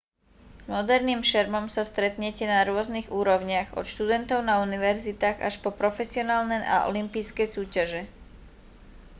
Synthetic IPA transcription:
z̥mɔd̪ɛɾniːmʃɛɾmɔmsast̪ɾɛt̪ɲɛcɛnaɾʊɔzniɣuːɾɔʊɲɪaɣɔ̰t̪ʃt̪ud̪ɛnt̪ɔʊnauniʋɛɾzit̪aːɣa̰ʃpɔpɾɔfɛsiɔnaːlnɛjʔa̰ʔɔ̰limpijskɛjsuːcaʒɛ

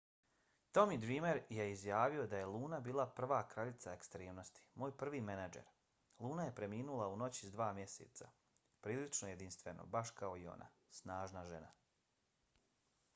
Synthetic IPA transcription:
t̪o̞mid̪ɾiːmeɾje̞izjaːʋio̞d̪aje̞lˠuːnabiːlˠapr̩ʋaːkɾaʎit̪sae̞kst̪ɾeːmno̞st̪i̥moːjpr̩ʋiːmenad͡ʒḛɾ | lˠuːnaje̞pɾe̞miːnulˠauno̞t͡ɕizd̪ʋaːmje̞sḛt̪sa̰ | pɾiːlit͡ʃnoje̞d̪inst̪ʋeno̰baʃkao̞io̞̰na̰ | snaːʒnaʒe̞̰na̰

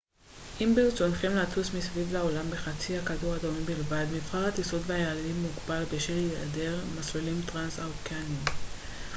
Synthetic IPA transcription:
ʔimbilt͡sonχemlatusmisvivlao̞lambeχat͡sihakaduʁadomimbilvad̪mifχaʁat̪isod̪veajaːldimːuɡbalbeʃila̰deʁmaslilimt̪ʁansawkanim

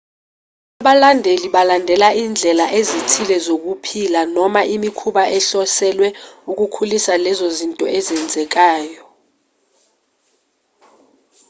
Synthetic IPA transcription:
aɓalandʱeliɓalandʱɛlaiːnd͡ɮʱɛlaʔezitʰilɛzok̬upʰilanɔmaʔimikʰuɓaʔɛɬɔsɛlwɛuk̬ʼukʰulisalɛzozintʼɔɛzɛnd͡zʱɛk̬aːjɔ

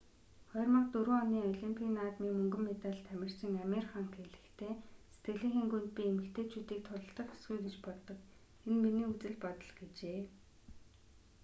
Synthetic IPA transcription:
χœːrmə̆k̚t̪ɵɾɵːɔniːɔɮimpʰiːnaːt̪miːŋmɵŋɡɵ̆mːet̪aɮt̪ʰːæmʲɪ̆r̥t͡ɕɪ̆ŋamʲerχaŋxʰeɮɘ̆xt̪ʰeːset̪ɡɘ̆ɮĭːŋxeːŋɡunt̪̚piːemɘ̆kt̪ʰeːt͡ɕʰuːt̪iːk̚t̪ʰʊɮə̆ɬt̪ə̆χʊ̥sɡujɡet͡ɕpɔɮt̪ɞ̆k | enminiːut͡sɘ̆ɮpɔt̪ɞ̆ɮɡet͡ɕeː

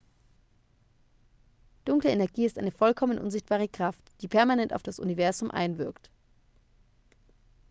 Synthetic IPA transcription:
d̥ʊŋkləenɛɐɡiːɪstaɪnəfɔlkʰɔmənʔʊ̰nzɪçt̚b̥aːʁəkʁ̥aftd̥iːpʰɛɐmanɛntaʊfd̥asʔṵnivɛɐzʊmʔa̰ɪnvɪɐkt

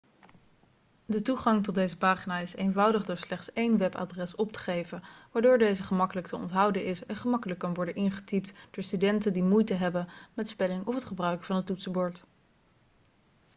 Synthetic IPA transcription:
dətuχɑŋtɔd̚ejzəpaːχinaːɪsejnvʌwdəχdʊːɹslɛχtsejnʋɛpa̰ːdrɛsɔp̚tə̥χejvəʋaːɹdoːɹdejzəχəmɑkələktʰəɔ̰ntɦʌwdəʔɪsɛnχəmɑkələkːɑnʋɔɹdənʔɪnχə̥tip̚td̥ʊːɹstydɛntəndimujtəɦɛbənmɛtspɛlɪŋɔfɦətχəbrœɥkəvɑnətutsəbɔɹt

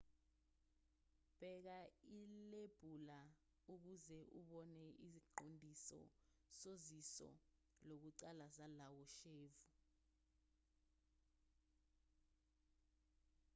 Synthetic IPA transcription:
b̥ʱɛk̬aileb̥ʱula | uk̬uzɛʔuɓɔnɛisiǃondʱisɔ̰ | sozisɔ̰ | lok̬uǀalazalawɔʃeːvu

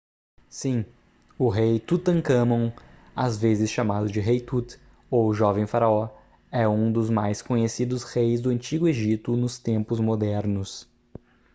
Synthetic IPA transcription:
sĩ | ʊɦejt̪ut̪ɐ̃ŋkɐ̃mɐ̃w̃ | azvezɪsʃamad̪ʊd͡ʒɪɦejt̪ut̪ | owʒɔvẽj̃faɾaɔ | ɛũd̪ʊzmajskõɲesid̪ʊshejzd̪ʊɐ̃nt͡ʃiɡʊeʒit̪ʊnʊst̪ẽmpʊzmod̪ɛɾnʊs

